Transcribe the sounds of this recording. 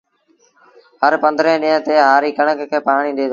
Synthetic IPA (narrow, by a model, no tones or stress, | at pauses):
ɦəɾpə̃nd̪ɾẽːɗĩːə̃t̪eːɦaːɾiːkəɳəkkʰeːpaːɳ̃ĩːnd̪eːd̪oː